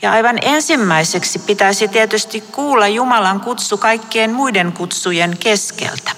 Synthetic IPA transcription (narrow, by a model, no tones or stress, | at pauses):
jɑɑiʋɑnensimːæiseksipit̪æsit̪iet̪yst̪ikkuːlːɑjjumɑlɑŋkut̪sukɑikːeːnmuideŋkut̪sujeŋkeskḛlt̪æ̥